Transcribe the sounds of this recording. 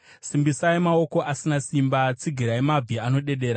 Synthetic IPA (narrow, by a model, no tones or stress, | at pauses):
simbisaemao̞ko̞ʔasinasimbat͡siɡʱiɾaemab͡vʱiano̞ɗe̞ɗe̞ːɾa